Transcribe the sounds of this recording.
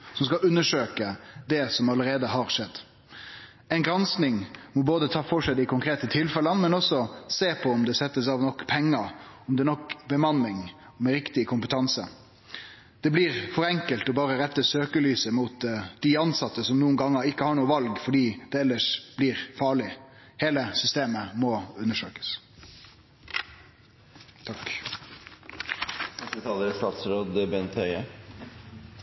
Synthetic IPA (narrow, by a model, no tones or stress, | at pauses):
sɔms̬kɑʉnːəʂøːkəd̪ɛsɔmɑləɾeːd̪əɦɑɾʂɛd̪ː | ɛɪnɡɾɑnsnɪŋmɔboːd̪ət̪ʰɑːfɔʂɛɪd̪ɪkʊŋkʰɾeːt̪ət̪ʰɪlfɛlənmɛnɔsɔseːpʰɔɔmd̪ɛsɛt̪ːəsɑʋnɔkːpʰɛŋːəɔmd̪ɛːnɔkbəmɑnːɪŋ | mɛɾɪkt̪ɪkʰʊmpət̪ʰɑnsə̰ | d̪̥ɛbliːɾfɔɾɛŋkəlt̪ɔbɑːʁəɾɛt̪ːəsøːkəlyːsəmut̪d̪iɑnsɑt̪ːəsɔmnuːənɡɑŋːəɾɪkːəhɑːɳuːəʋɑlɡfɔɖiːd̪̥ɛɛlːəʂb̥liːʁfɑːɭɪ | heːləsʏst̪eːməmɔʉnːəʂøːkə̥s | t̪ʰɑk | sɛt̪ʰɑːləɾəst̪ɑːt̪sɾoːd̪əbɛnt̪ʰœʏə